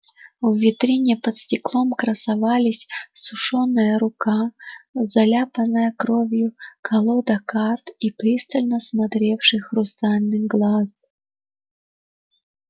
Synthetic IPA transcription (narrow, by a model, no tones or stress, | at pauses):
vvʲɪt̪ɾʲinʲɪəpət̪sʲtʲɪklˠomkɾəsɐvalʲɪsʲsʊʂonːɨjəɾʊkazɐlʲapənːəjəkɾovʲjʊkʰɐlˠod̪ɐkart̪ipɾʲist̪əlʲnəsmɐt̪ɾʲefʂɨxrʊst̪alʲnɨjɡlˠas